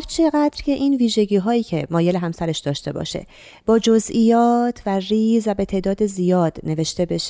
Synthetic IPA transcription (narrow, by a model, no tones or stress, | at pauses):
ɾt͡ʃʰe̞ɣæd̪̥ɾcʰeʔiːnviːʒe̞ɟiːɦɒːiːcʰe̞mɒːje̞leɦæmsæɾeʃd̪ɒːʃt̪e̞bɒ̰ʃe̞̰ | b̥ɒːd͡ʒozʔijɒːt̪ʰværiːzvæbe̞t̪ʰe̞ʔd̪ɒːd̪ezijɒːd̪̥ne̞ve̞ʃt̪e̞be̞ʃ